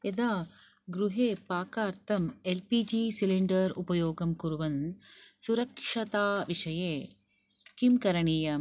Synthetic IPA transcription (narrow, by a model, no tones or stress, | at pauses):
ed̪aː | ɡɾuɦeːpaːkaːɾt̪ʰɐmelpiːd͡ʒisiliɳɖɐɾupɐjoːɡɐmkuɾuʋɐnsuɾɐkʂɐt̪aːʋiʂɐjeː | kimkɐɾɐɳiːjɐ